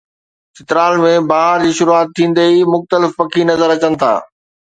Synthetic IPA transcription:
sʰɪt̪ɪɾaːlmẽbaːɦəɾd͡ʑiːʃʊɾuaːt̪ʰːĩːn̆d̪eimʊxt̪əlɪfpɐkʰinɐzəɾɐt͡ɕənɪ̆t̪ʰa̰ː

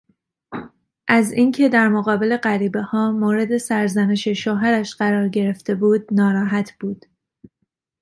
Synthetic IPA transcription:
ʔæziːncʰe̞d̪æɾmoɣɒːbe̞le̞ɢæɾiːbe̞hɒːmoːɾe̞d̪e̞sæɾzæne̞ʃe̞ʃoɦæɾæʃɢæɾɒːɾɟe̞ɾe̞ft̪e̞buːd̪nɒːɾɒːɦæt̪ʰb̥uːd̪̥

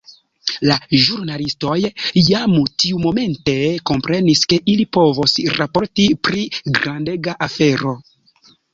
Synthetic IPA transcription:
laʒuɾnalisto̞jjamutiumo̞me̞nte̞ko̞mpɾe̞niske̞ʔilipo̞vosɾapo̞ɾtipɾiɡɾandeɡaʔafe̞ɾo̞

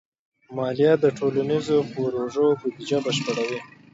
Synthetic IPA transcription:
mɑlijɑd̪əʈʰolanizopoɾoʐobʊd̪id͡ʒabəʃpəɽawi

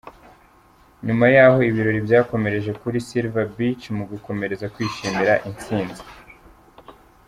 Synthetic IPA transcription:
ɲumajaːho̞iβiɾo̞ɾibjaːko̞me̞ɾe̞ʒe̞kuɾisiɾvabit͡ʃmuɡuko̞me̞ɾe̞zakwiːʃimiɾaʔint͡siːnzi

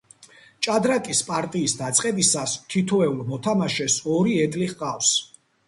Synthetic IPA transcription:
t͡ʃʼad̪ɾakʼispʼaɾt̪ʼiːsd̪at̪sʼqʼɛbisast̪ʰit̪ʰɔɛulˠmɔt̪ʰamaʃɛsɔɾiɛd̪liʁqʼafs

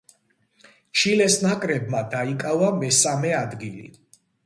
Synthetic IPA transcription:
t͡ʃʰilɛsnakʼɾɛb̚mad̪aikʼavamɛsamɛad̪ɡilḭ

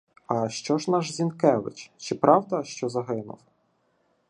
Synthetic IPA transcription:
ɐʃt͡ʃɔʒnɑʒzʲinkɛʋɪ̰t͡ʃt͡ʃɪpɾʔɑwd̪ɐʃt͡ʃɔzɐɦɪnʊ̰w

